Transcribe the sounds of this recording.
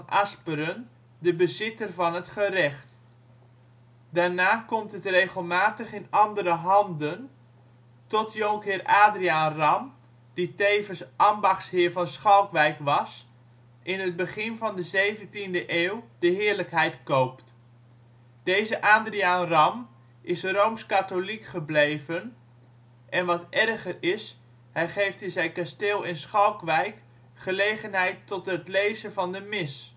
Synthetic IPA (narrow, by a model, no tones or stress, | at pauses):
nʔaspəɾən | dəbəzɪtərvɑnətχərɛχt | darnaːkɔmtətreːɣəlˠmaːtəχɪnɑndəɾəɦɑndən | tɔtʰjoŋkɪraːdriaːnrɑm | d̥iteːvənsʔɑmbɑχshɪːɹvɑnsχɑlˠkʋɛjkʋɑs | ʔɪnəd̚bəχɪnvɑndəzejvəntindəʔeːwd̥əɦɪːəɹləkɦɛjtkowpt | d̥ejzəʔaːndriaːnrɑm | ʔɪsrowmskatolikχəblejvən | ʔɛnʋɑtʔɛrɣərɪs | hɛjχejftɪnzɛjkasteːlˠɪnsχɔlˠkʋɛjk | χəlejχənɦɛjtɔtɦətlejzəvɑndəmɪs